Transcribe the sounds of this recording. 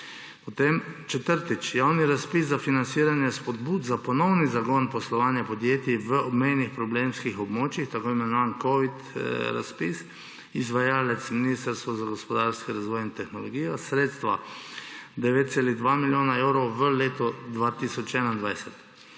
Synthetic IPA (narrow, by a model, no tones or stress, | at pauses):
pɔt̪eːmt͡ʃɛt̪əɾt̪it͡ʃjaːwniɾaspiszafinansiːɾanjɛspɔd̪buːd̪zapɔnɔwnizaɡɔnpɔslɔʋaːnjapɔd̪jeːt̪iʋəɔbmɛjnixpɾɔbleːmskixɔbmoːt͡ʃixt̪akoːimɛnɔʋaːnkɔʋit̪ɾa̰spis | izʋajaːlɛt̪sminist̪əɾst̪ʋɔzaɡɔspɔd̪aːɾskiɾazʋɔːjint̪ɛxnɔlɔɡiːjɔsɾeːt̪st̪ʋa | d̪ɛʋeːt̪t̪sɛlid̪ʋaːmiljoːnaɛwɾɔʋəleːt̪ɔd̪ʋaːt̪isɔt͡ʃɛːnaind̪ʋajsɛt̪